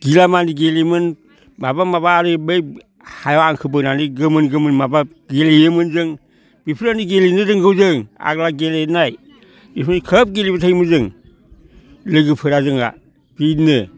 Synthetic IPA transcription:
ɡ̥ilamandiɡelimɯn | mabamaβaɾibej | hajoaŋkʰɯbɯnaniɡɯmɯnɡɯmɯnmaba | ɡelijemɯnzɯŋ | bipʰiɾaniɡelinɨzɯŋɡɯwzɯŋa̰ɡlaɡelenaj | bismakʰəp̚ɡelibatʰejmuzɯŋ | lɯɡipʰɯɾazɯŋa̰ | b̥inɯ

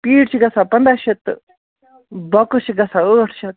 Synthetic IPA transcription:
piːʈt͡ʃʰiɡɐsapɐnd̪aːʃʰit̪ | bɐkɨt͡ʃʰiɡɐsaəːʈʰt͡ʃʰit̪̚

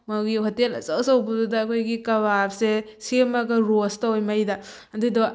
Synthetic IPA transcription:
mɐwɡiɦotelɐ̰t͡ʃɐwsɐwbududɐːkʰojɡikɐbapse | semɐɡɐɾostawojmɐjdɐ | ɐdudo

